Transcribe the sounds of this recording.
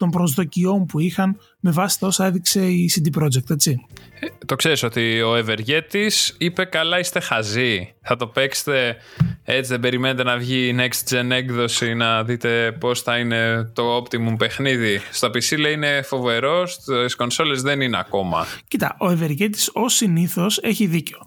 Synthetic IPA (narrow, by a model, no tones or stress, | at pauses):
t̪o̞mpɾozðo̞cio̞mpuixɐn | me̞vɐsi̥t̪ɐo̞sɐe̞ðikse̞isid̪ipɾo̞d͡zek̚t̪et͡sit̪o̞kse̞ɾiso̞t̪io̞eve̞ɾʝe̞t̪isipe̞kɐlɐist̪e̞xɐziθɐt̪o̞pe̞kse̥t̪e̞ | e̞t͡siðe̞be̞ɾimenet̪e̞nɐvʝinekst̪d͡zene̞ɡðo̞sinɐðit̪e̞po̞sθɐine̞t̪o̞opt̪imumpe̞xniðist̪opisilɐine̞fo̞ve̞ɾo̞sisko̞nso̞le̞zðe̞nineɐ̰ko̞mɐ̰cit̪ɐ̰ʔo̞eve̞ɾʝet̪i̥so̞siniθo̞se̞çiðiceo